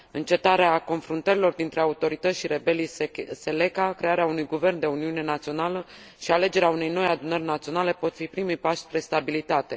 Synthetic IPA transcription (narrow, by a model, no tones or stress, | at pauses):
ɨnt͡ʃe̞t̪aɾeako̞nfɾunt̪əɾilo̞rd̪int̪ɾe̞aut̪o̞ɾit̪ət̪ʲʃiɾe̞belijse̞le̞kakɾe̞aɾeaunujɡuve̞rnd̪e̞uniune̞nat̪sio̞nalə | ʃiale̞d͡ʒe̞ɾeaune̞jno̞jad̪unərʲnat̪sionale̞po̞t̪fipɾimujpaʃpɾe̞st̪abilit̪at̪e̞